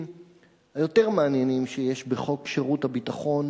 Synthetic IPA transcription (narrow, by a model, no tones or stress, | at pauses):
m | hajo̞te̞ʁmaanjenimʃejeʃbeχo̞kʃeʁuthabitaχo̞n